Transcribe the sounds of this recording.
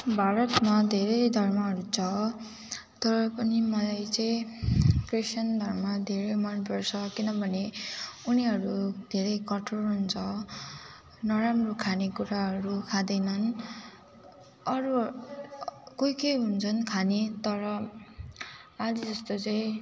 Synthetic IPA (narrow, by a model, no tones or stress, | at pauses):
bʱaɾʌt̪mad̪ʱeɾʌjd̪ʱʌrmʌɦʌɾut͡sʰʌ | t̪ʌɾʌpʌnimʌlajt͡saĩkrisʌnd̪ʱʌrmʌd̪ʱeɾʌmʌnpʌrt͡sʰʌkinʌbʱʌneuniɦʌɾud̪̥ʱeɾʌjkʌʈʰorɦunt͡sʰʌ | nʌɾamrokʰanekuɾaɦʌɾukʰad̪ʌjnʌn | ʌɾu | kojkejɦunt͡sʰʌnkʰanet̪ʌɾʌ | ad͡zid͡zʌst̪ot͡saĩ